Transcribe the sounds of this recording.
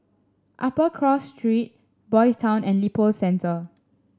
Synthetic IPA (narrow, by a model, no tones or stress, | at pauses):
ʔapəkʰɹɔsːtɹit̚ | bɔjstʰãʊ̃nɛ̃nlipəlsɛ̃ntə